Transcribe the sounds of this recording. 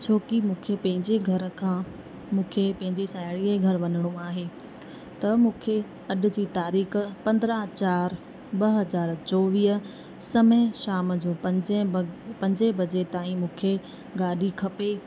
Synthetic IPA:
t͡ɕʰoːkimũːkʰepɐ̃ɦɪ̃ɲd͡ʑeɡʱɐɾkʰãː | mũːkʰepɐ̃ɦɪ̃ɲd͡ʑesaːjɽiəɡʱɐɾʋɐnəɽ̃ũaːɦeː | t̪ɐmũːkʰe | ɐɗʊ̆d͡ʑiːt̪aːɾiːxpɐ̃nd̪ɾat͡ɕaːɾ | ɓɐɦɐzaːɾt͡ɕɔːʋiːɦ | sɐmẽʃaːmd͡ʑoːpɐ̃d͡ʑpɐ̃ɲd͡ʑebɐd͡ʑet̪aːĩmũːkʰe | ɡaːɗʱikʰɐpe

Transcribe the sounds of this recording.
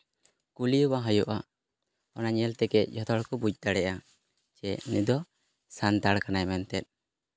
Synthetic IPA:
kulijɔbaɦəjɔʔa | ɔnaɲɛlt̪ɛɡɛʔ̚d͡ʒʱɔt̪ʰɔɽkɔbud͡ʒ̚t̪aɽɛʔa | t͡ʃɛʔnid̪ɔ | sant̪aɽkanajmɛnt̪ɛt̪̚

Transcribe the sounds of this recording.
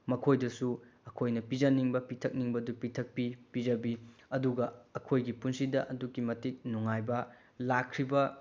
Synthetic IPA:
mɐkʰojdɐsuɐkʰojnɐpid͡ʒɐniŋbɐpitʰɐk̚niŋbɐdupitʰɐk̚pipizɐbiɐduɡɐɐkʰojɡipunsidɐʔɐdukːimɐtik̚nuŋajbɐ | lakʰːɾibɐ

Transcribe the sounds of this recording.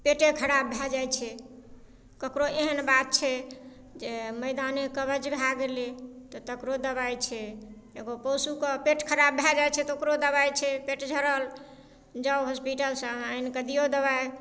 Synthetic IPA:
peʈekʰəɾabʱad͡ʒajt͡ʃʰɛ | kəkɾoʔeɦənbat̪̚t͡ʃʰɛ | d͡ʒeməɪd̪anekəβəd͡ʒbʱaɡelet̪ɔt̪əkɾod̪əβajt͡ʃʰɛ | eɡopɔsukəpeʈkʰəɾabːʱɛd͡ʒajt͡ʃʰɛt̪okɾod̪əβajt͡ʃʰɛpeʈd͡ʒʱəɾəl | d͡ʒəbɦospiʈəlsə̃ainkəd̪ijod̪əβaj

